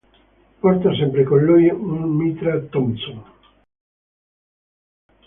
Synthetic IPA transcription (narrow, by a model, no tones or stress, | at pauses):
pɔɾt̪asɛmpɾekonlujuŋmit̪ɾat̪ɔmsoŋ